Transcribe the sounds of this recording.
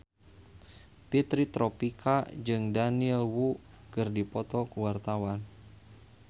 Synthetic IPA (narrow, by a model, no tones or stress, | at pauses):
pit̪ɾit̪ɾɔpikʰad͡ʒɨŋdaniɛlwu | kɨrdipɔt̪ɔkuwart̪awan